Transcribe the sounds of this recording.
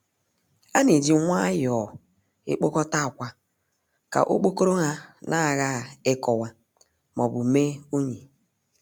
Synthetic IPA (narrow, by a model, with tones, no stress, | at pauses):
a˦ne˨di˨˦ŋʷa˦jɔ˨ | ɪ̰˦k͡po˦kɔ˦ta˦˨kʷa˦ | ka̰˨ʔo̰˦k͡po˦ko˦ɾo˦ŋa˦nʔa˦˨ɣa˦˨ɪ˦kɔ˨wa˨ | mɔ˨bʊ˨me˦u˦ɲi˨